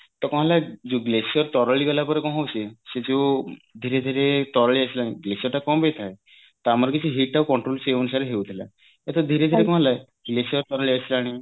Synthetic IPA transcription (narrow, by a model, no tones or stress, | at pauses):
t̪ɔkɔ̃ɦalad͡zoɡlesəɾt̪ɔɾəɭiɡalapəɾekɔ̃ɦowsesed͡zod̪ʱiɾed̪ʱiɾet̪ɔɾəɭiasilaɽ̃iɡlesəɾʈakɔmbet̪ʰae | t̪amaɾɡit͡ɕiɦiʈawkɔɳʈɾolseunusaɾeɦewd̪ʱela̰ | et̪ɔd̪ʱiɾed̪ʱiɾekɔ̃alaj | ɡlesəɾt̪ɔɾəɭiasilaɽ̃i